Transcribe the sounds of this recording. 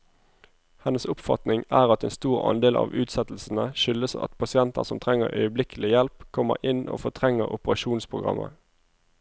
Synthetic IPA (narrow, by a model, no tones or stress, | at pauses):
hɛnːəsʊpfɑt̪nɪŋæːʁɑt̪eːnst̪uːʁɑ̰nd̪eːlʔɑ̰ːʋʉːt̪sɛt̪l̩sn̩əʃʏləsɑ̰t̪pʰɑsɪɛnt̪əʁsɔmt̪ʰʁɛŋəʁœʏəblɪkʰəlɪjɛlpkʰɔmə̰ʔɪno̰ːfɔʁt̪ʰʁɛŋːəʁʊpəʁɑʃuːnspʰʁʊɡʁɑ̰mʔə̰